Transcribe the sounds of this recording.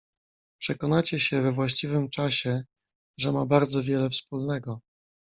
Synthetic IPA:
pʂɛkɔnat͡ɕɛɕɛvɛvwaɕt͡ɕivɘmt͡ʂaɕɛ | ʐɛmabaɾd̪zɔvʲjɛlɛfspulnɛɡɔ

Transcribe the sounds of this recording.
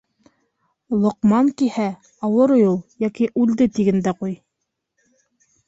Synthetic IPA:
lˠŏqmɑŋkihæ | ɑwɤɾŏjulˠjɑkiʔʉld̪ɘt̪iɡɘ̆nd̪æquj

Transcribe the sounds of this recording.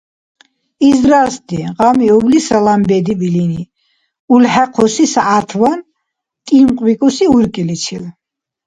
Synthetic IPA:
izɾasd̪iʁamiɔblisɛlambɛd̪ibilini | ulhɛqʰɔsisat̪ʰwan | t̪ʼimqʼwikʼusiuɾkʼilit͡ʃʰil

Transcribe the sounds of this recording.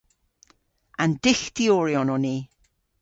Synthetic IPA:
andɪxd̥iɔɹjɔnɔniː

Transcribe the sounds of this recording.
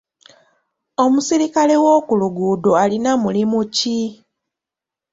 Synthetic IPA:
o̞musiɾikale̞wo̞ːkuluɡuːdoalinamulimuci

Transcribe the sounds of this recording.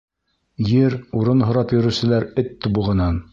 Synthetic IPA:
jɘɾuɾɤnɦŏɾɑpjɵ̆ɾɘ̆sɘ̆læɾɵt̪ːɘbŭʁɤ̆nɑn

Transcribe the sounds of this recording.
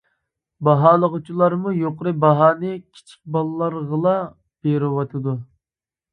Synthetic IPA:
bɑɦɑːlˠəʁʊt͡ʃʰilˠɑɾmujoqɾɨbɑɦɑːnɨkʲʰi̥t͡ʃʰi̥k̚ʲbɑlˠlːˠɑɾʁəlˠɑ | b̥eɾɪwɑt̪ʰɨd̪u

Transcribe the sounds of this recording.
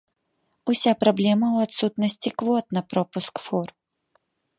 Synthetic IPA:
usʲapɾablʲɛmɐwat̪sut̪nɐsʲt͡sʲikvɔt̪̚nɐpɾɔpuskfɔr

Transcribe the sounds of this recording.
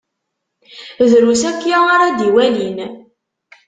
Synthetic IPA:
ðɾusækːjaaɾad̪iwælin

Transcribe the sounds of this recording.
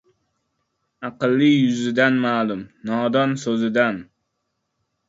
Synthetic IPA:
aqɨlˠːijʊzɪd̪anmaːlˠʊmnɒːd̪ɒnsɵzɪd̪an

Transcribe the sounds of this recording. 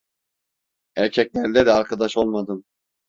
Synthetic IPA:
æɾcʰɛclʲæɾlɛd̪ɛaɾkʰad̪aʃo̞lˠmad̪ɯm

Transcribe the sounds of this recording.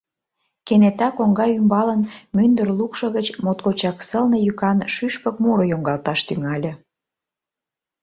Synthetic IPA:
kenet̪ɑkoŋɡɑjymbɑlənmynd̪ərlukʃə̆ɣət͡ɕmot̪kot͡ɕɑksəlnejykɑnʃyʃpə̆kmuɾojoŋɡɑlt̪ɑʃt̪yŋɑlʲĕ

